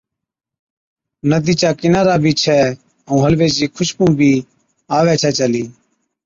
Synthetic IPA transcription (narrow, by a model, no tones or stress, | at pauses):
nəd̪iːt͡ʃaːkɪnaːɾaːbʱiːt͡ʃʰɛː | əũːɦəlʋeːd͡ʒiːkʰʊʃpũːbʱiː | aːʋɛːt͡ʃʰɛːt͡ʃəliː